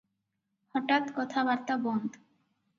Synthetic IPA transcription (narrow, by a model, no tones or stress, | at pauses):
hɔʈat̪kɔt̪ʰabaɾt̪abɔnd̪